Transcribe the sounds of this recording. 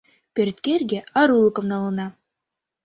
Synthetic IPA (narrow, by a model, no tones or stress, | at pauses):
pʲeɾt̪kʲerɡʲeɑɾulˠɤkɤ̆mnɑlˠɤ̆nɑ